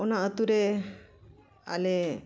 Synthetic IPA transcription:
ɔnaət̪uɾɛ | a̰lɛ

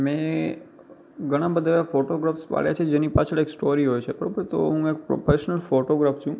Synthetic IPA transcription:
mẽ | ɡəɽ̃ãbəd̪ʱaʋjafoʈoɡɾafspa̰ɭja̰t͡ʃʰed͡ʒenipat͡ʃʰəɽeksʈoɾiɦojt͡ʃʰebəɾõbəɾt̪o̰ɦũek̚pɾo̰fʰeʃnəlfoʈoɡɾaft͡ʃʰũ

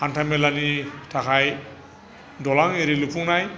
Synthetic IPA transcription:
hantʰamɛlanitʰakʰaj | dɔlaŋeɾilupʰuŋnaj

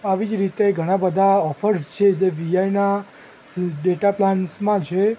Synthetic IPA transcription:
aʋid͡ʒɾit̪eɡʱəɽ̃ãbəd̪ʱaɔfʰəɾst͡ʃʰed͡ʒeʋijajna | ɖeʈaplansmãt͡ʃʰe

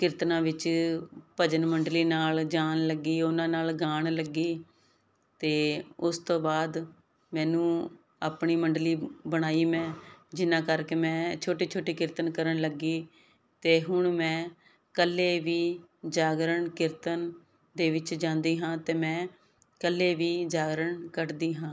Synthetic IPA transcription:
kɪɾt̪nãːʋɪt͡ʃ | pəd͡ʒənməɳɖliːnaːld͡ʒaːnləɡiːʊnãːnaːlɡaːɳləɡiː | t̪eːʊst̪õːbaːd̪ | mɛ̃ːnũː | aːpɳiːməɳɖliːbəɽ̃aːiːmɛ̃ːd͡ʒɪnːãːkəɾkeːmɛ̃ːt͡ʃʰoːʈiːt͡ʃʰoːʈiːkɪɾt̪ənkəɾəɳləɡiː | t̪eːɦʊɳmɛ̃ː | kəlːeːʋiːd͡ʒaːɡɾəɳkɪɾt̪ən | d̪eːʋɪt͡ʃd͡ʒãːnd̪iːɦãːt̪eːmɛ̃ː | kəlːeːʋiːd͡ʒaːɡɾəɳkəʈd̪iːɦãː

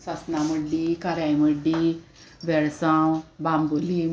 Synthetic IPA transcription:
sasnaməɖːikaɾjajməɖːi | ʋɛɭsãwbamboli

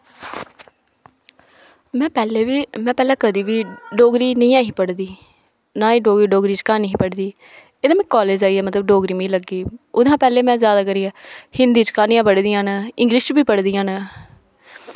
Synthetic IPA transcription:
mɛ̃ːpɛːleːʋiːmɛ̃ːpɛːlãːkəd̪iːʋiːɖoːɡɾiːnɪ̃jãːɦiːpəɽd̪iː | nãːiːɖoːɡiːɖoːɡɾiːt͡ʃkaːniɦĩːpəɽd̪iː | ed̪ãːmɛ̃ːkɔːleːd͡ʒaːiːɛːmət̪ləb̚ɖoːɡɾiːmĩːləɡiːʊd̪ãːpɛːleːmɛ̃ːzjaːd̪aːkəɾiːaːhɪnd̪iːt͡ʃkaːniːãːpəɽd̪ijãːnaːɪŋɡlɪʃt͡ʃbiːpəɽd̪ijãːnaː

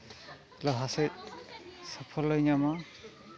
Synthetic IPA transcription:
lɔɦaset̪̚ | sɔpʰɔlːɔjɲama

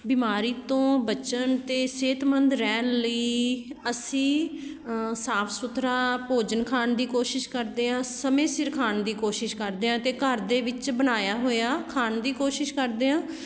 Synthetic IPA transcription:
bɪmaːɾiːt̪õːbət͡ʃənt̪eːseːt̪mənd̪ɾɛːnləiːəsĩː | saːpʰsʊt̪ʰɾaːpoːd͡ʒənkʰaːnd̪iːkoːʃɪʃkəɾd̪eːãːsəmẽːsɪɾkʰaːnd̪iːkoːʃɪʃkəɾd̪eːãːt̪eːkəɾd̪eːʋɪt͡ʃbənaːjaːɦoːjaːkʰaːnd̪iːkoːʃɪʃkəɾd̪eːãː

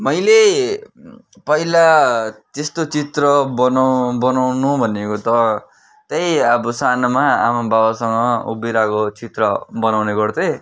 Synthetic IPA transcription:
mʌjle | pʌilat̪est̪ot͡sit̪rʌbʌnabʌnawnubʱʌnekot̪ʌ | t̪ʌjʌbusanʌmaa̰mababasʌŋɡʌṵbiɾakot͡sit̪rʌbʌnawneɡʌrd̪ʌ

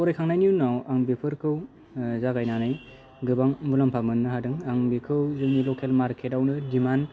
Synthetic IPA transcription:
ɔɾajkʰaŋnajnijunawaŋbipʰɯɾkʰɯw | zaɡajnanaj | ɡɯbaŋbulampʰamɯnːɯɦadɯŋaŋbikʰɯwzɯŋnilokʰelmaɾkʰetawnɯdiman

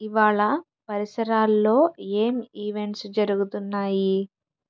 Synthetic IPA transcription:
iʋaːɭɐ | pɐɾisɐɾaːlːo̞ːe̞ːmiːʋe̞ɳʈsd͡ʒɐɾuɡut̪unːaːji

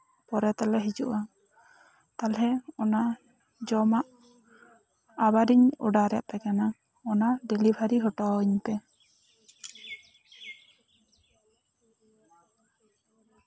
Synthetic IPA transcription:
pɔɾɛt̪alɛɦid͡ʒṵʔa | t̪alɦɛɔna | d͡ʒɔmaʔ | abadiɲɔ̰ɖaɾɛa̰ʔpɛkana | ɔnaɖɛlibʱaɾiɦɔʈɔiɲpɛ

